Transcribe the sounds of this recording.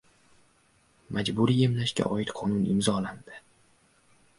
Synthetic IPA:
mad͡ʒbʊɾiemlaʃkʲa̰ʔɒɪt̪qʰɒnʊnɪmzɒland̪̥ɪ

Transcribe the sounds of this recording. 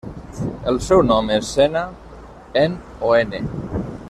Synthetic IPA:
elsɛwnɔmesːena | en | oenḛ

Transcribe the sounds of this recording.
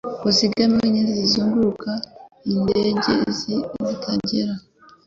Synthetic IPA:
kusiɡameiɲezizizuːŋɡuukaindeɟḛziβutʰaɟeɾa

